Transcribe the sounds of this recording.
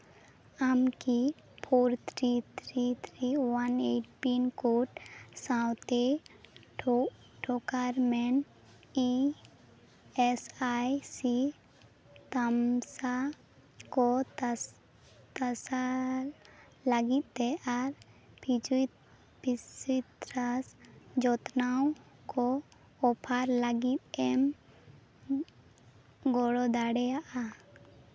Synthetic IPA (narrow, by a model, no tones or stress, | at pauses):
amki | pʰoːɾt̪ʰɾit̪ʰɾit̪ʰɾiwaneʈʈinkoːʈsãwt̪e | ʈʰokaɾmɛn | i | esajsi | t̪əmsa | ko | t̪asaɾ | laɡit̪̚ˀt̪ɛaɾ | piu | pisit̪ɾasd͡ʒɔt̪naw | kɔ | ɔpʰaɾlaɡit̪̚ɛm | ɡɔɽɔd̪aɽɛjaʔa